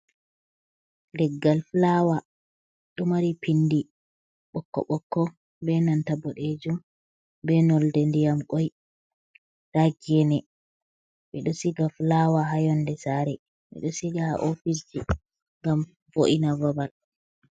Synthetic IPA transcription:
ndɛɡːalflawa | ɗɔmaɾipʰindi | ɓɔkːɔ̰ɓɔkːɔ | bɛnantabɔɗed͡ʒum | bɛnɔldɛndijamkɔj | d̥aɡɛnɛ | mɛɗɔsiɡaflawaɦajɔndɛsaɾɛ | mɛ̰ɗɔsiɡaa̰ʔofis̬d͡ʒi | ŋɡam | voʔinavabal

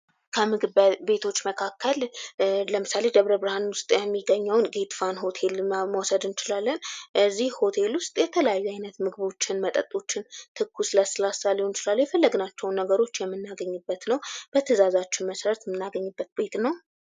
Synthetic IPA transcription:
kʰəmɨɡɨβbe̞t̪ʰo̞t͡ʃːməkʰakːəlləmɨsale̞d̪əβɾəbɾhanwʊst̪ʼjɛmːiɡəɲːəwnɡet̪ʼfanɦo̞t̪ʰe̞lməwɔsəd̪ɨnt͡ʃɪlalːənʔɨzːihho̞t̪ʰe̞lwʊst̪ʼjɛt̪ʰələjajːuajnət̪mɨɡɨβo̞t͡ʃːɪnmət̪ʼət̪ʼo̞t͡ʃːɪnt̪ʰɨkʰːusɨlasɨlasaliunt͡ʃɪlalːwjɛfəlːəɡɨnat͡ʃːɛwnːəɡəɾo̞t͡ʃːjɛmːɨnːaɡəɲːɨbːət̪nəwb̥ət̪ʰəzazat͡ʃːɪnməsɾət̪mːɨnːaɡəɲːɨbːət̪̚be̞t̪nəw

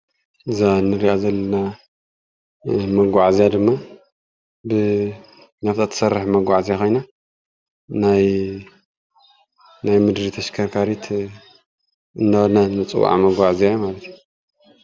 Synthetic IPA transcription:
ʔɨzanːɨɾiʔazɐlːɐna | mɐɡʷaʕzijad̪ɨmːa | bɨ | naft̪ʰat̪ʰɐ̥sɐrːɨħmɐɡʷaʕazijakʰo̞jna | naj | najmɨd̪ɾit̪ʰɐʃkʰɐɾkʰaɾit̪ʰ | ɨndawnanɨt͡sʼɨ̰wa̰ʕmɐɡʷaʕzijajumalɐt̪ʰju

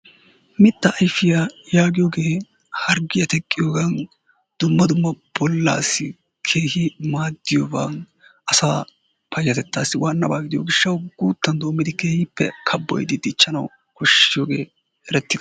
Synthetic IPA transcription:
mɪt̪ːɐʔɐjfɪjɐjaːɡɪjoːɡe̞ː | hɐɾɡɪjɐt̪ɛkʼːɪjoːɡɐn | d̪̥ʊmːɐd̪ʊmːɐb̥ɔlːa̰ːsːɪ | kʰe̞ːhɪmaːd̪ːɪjoːɡɐn | ʔɐsaː | pɐjːɐt̪ɛt̪ːaːsːɪwʔaːnːɐbaːɡɪd̪ɪjo̰ːɡɪʃːɐwɡuːt̪ːɐnd̪oːmːɪd̪ɪkeːhɪpːɛ̰kʰɐbːɔ̰jd̪ɪd̪ɪt͡ʃːɐnɐw | kɔʃːɪjoːɡe̞̰ː | ʔɛɾɛt̪ːɪd̪̥ɐ

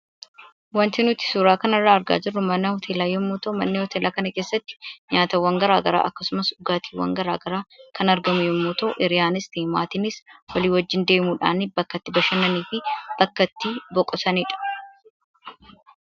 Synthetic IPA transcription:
wɐnt̪ɪnʊt̪ɪ̥suːɾaːkɐnɐrːaːɐɾɡa̰ːd͡ʒɪrːʊmɐnɐhɔt̪ʰeːlaːjːɔmːoːt̪oːmɐnːɪhɔt̪eːlaːkɐnɐkeːsːɐt̪ːɪ̥ɲaːt̪ɐwːɐŋɡɐɾaːɡɐɾa̰ːʔɐkːɐsʊmɐsʊɡaːt̪iːwɐ̰ŋɡɐɾa̰ːɡɐɾaːkʰɐnɐɾɡɐmʊjɔmːʊt̪oːʔɪɾɪjaːnɪst̪ima̰ːt̪ɪnɪswɐliːwɐd͡ʒːɪnd̪e̞ːmuːᶑa̰ːnɪbɐkːɐt̪ːɪbɐʃɐnɐniːfɪb̥ɐkːɐt̪ːibɔkʼːɔsɐnɪᶑɐ̥

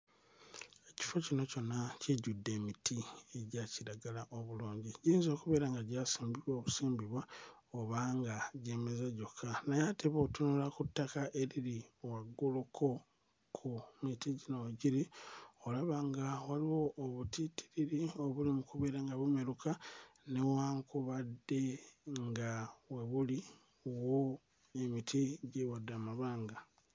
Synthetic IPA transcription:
e̞ci̥fo̞cino̞co̞nːaceɟudːe̞ːmitʰie̞ɟaːciɾaɡalaʔo̞βuluːɲɟiɟiːnzo̞ːkuβe̞ːɾaŋɡaɟaːsiːmbiβwoːβusiːmbiβwaoβaŋɡaɟemezaɟo̞kʰanajatʰeβo̞ːtunulakutːakaʔe̞ɾiɾiowaɡulukʰo̞ | kʰumitiɟinowaɟiɾiolaβaŋɡawaliwo̞ʔːβutiti̥ɾiɾio̞βulimukuβeɾeŋɡaβumeɾukanewaːŋkuβadːe̞ŋɡaweβuli | owo | emitʰiɟewadːamaβaːŋɡa

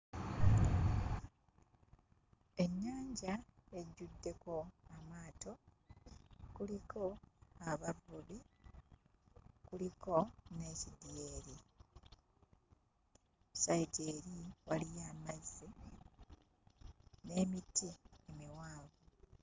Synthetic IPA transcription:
e̞ɲːaːɲɟae̞ɟudːe̞ko̞amwaːto̞ | kuliko̞aβaβuli | kuliko̞ne̞cidjeːɾi | saiɟeːɾiwalijaːmazi | ne̞ːmitiemiwaːβu

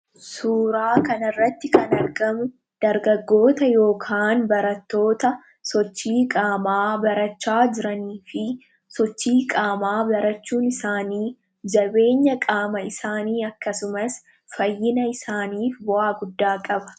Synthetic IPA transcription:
suːɾaːkɐnɐrːɐt̪ːɪkɐnɐɾɡɐmʊ | d̪̥ɐɾɡɐɡːo̞ːt̪ɐjo̞ːkʰaːnbɐɾɐt̪ːo̞ːt̪ɐ | sɔt͡ʃːiːkʼaːmaːbɐɾɐt͡ʃːaːd͡ʒɪɾɐniːfɪ | sɔt͡ʃːiːkʼaːmaːbɐɾɐt͡ʃːuːnɪsaːniː | d͡ʒɐbe̞ːɲːɐkʼaːmɐɪsaːniːɐkːɐsʊmɐs | fɐjːɪnɐɪsaːniːfbʊʔaːɡʊd̪ːaːkʼɐbɐ̥

